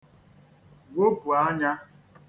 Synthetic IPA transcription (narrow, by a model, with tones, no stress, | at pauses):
ɡʷo˦pu˨a˦ɲa˦